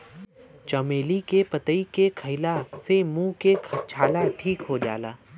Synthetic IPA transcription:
t͡ʃɐmeːlikepɐt̪əikekʰəɪlasemũkekʰt͡ʃʰaːlaʈʰiːkɦod͡ʒa̰ːla̰ː

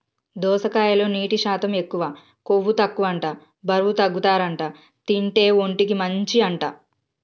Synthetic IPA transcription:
d̪ɔːsɐkaːjɐlo̞ːniːʈiʃaːt̪ɐme̞kːuʋaː | ko̞ʋːut̪ɐkːuʋɐɳʈaː | bʱɐɾʋut̪ɐɡːut̪aːɾɐɳʈaː | t̪iɳʈe̞ːo̞ɳʈikimɐɲt͡ʃiɐɳʈaː

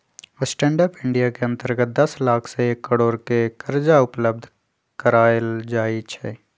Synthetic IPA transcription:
ɪsʈɛ̃ːɳɖəːpɪ̃ɳɖijakeɐ̃nt̪əɾɡət̪̚d̪ɐslaːkʰseːkːəɽoːɾkekɐɾd͡ʒaʊpləb̚d̪ʱ | kəɾaːəld͡ʒaːit͡ʃʰɛ̰ː

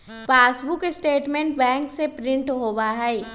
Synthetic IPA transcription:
paːsbʊkɪsʈeːʈmẽɳʈ̚bɛ̃ːŋksepɾɪ̃ɳʈɦoːbaːɦai

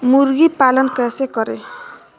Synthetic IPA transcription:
murɡipalʌnkasekʌɾe

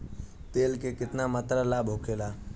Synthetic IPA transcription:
t̪eːlkekɪt̪namət̪ɾalaːbʱokʰelaː

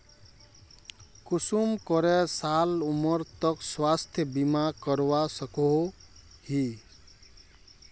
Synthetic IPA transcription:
kusumkʌɾɛsalumʌɾt̪ʌkswast̪ʰjʌbimakʌɾwasʌkoɦohi

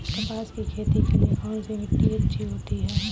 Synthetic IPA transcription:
t̪ɐpaːskikʰeːt̪ikeliekaːnsimɪʈ̪ːiətt͡ʃʰiɦoːt̪iɦɛː

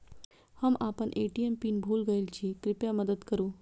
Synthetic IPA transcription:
həmapəɳʔeʈiempiːnbʱuːlɡəjlt͡ɕiːkɾipjaməd̪əd̪kəɾuː

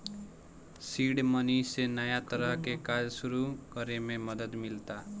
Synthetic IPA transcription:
siɽmənisenəjat̪əɾəɦkekad͡ʒsuɾukəɾemẽməd̪əd̪mɪlt̪a

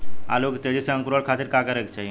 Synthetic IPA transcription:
a̰lokt̪ed͡ʒiseə̃ŋkɾoɽkʰaːt̪iɾkakəɾekt͡ʃʰai

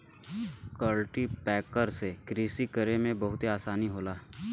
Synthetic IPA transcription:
kəlʈipɛːkəɾsekɾiːsikəɾemẽbɐɦʊt̪eaːsaːniɦoːlaː

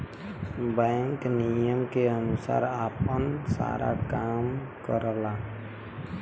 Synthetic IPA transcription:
bə̃ŋknijəmkeənusa̰ːɾapənsa̰ɾʔa̰kam | kəɾəla

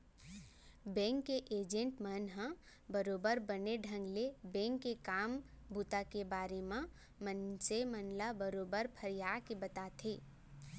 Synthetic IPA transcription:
bɛ̃ːŋkːeʔeːd͡ʒə̃ɳʈmənɦã | bəɾoːbəɾbəneɖʱə̃ŋɡlebɛ̃ːŋkːekaːm | bʱut̪akebaːɾemã | mənsemənlabəɾoːbəɾpʰəɾjaːkebət̪aːt̪ʰeː

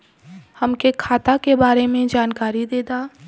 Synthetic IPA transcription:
hɐmkekʰaːt̪akebaːɾemẽd͡ʒaːnkaːɾid̪eːd̪aː

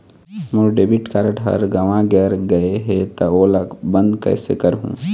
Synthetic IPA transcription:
muɖeːbiʈkaɾɖɦɐ̰ɾɡɐʋãɡɛːɾɡɐeɦet̪ɐoːlabə̃nd̪kɐ̰ɪsḛkɐɾɦṵ̃ː

